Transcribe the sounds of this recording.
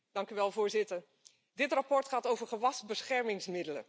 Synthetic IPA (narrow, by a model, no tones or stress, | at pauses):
d̥ɑŋkyʋɛlˠvʊːɹzɪtəɹ | dɪtrapɔɹtχaːtowvəɹχəʋɑsbəsχɛɹmɪŋsmɪdələ̰